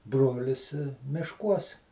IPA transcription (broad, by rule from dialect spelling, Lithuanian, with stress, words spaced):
ˈbroːlʲɪs mʲɪʃˈkuɔs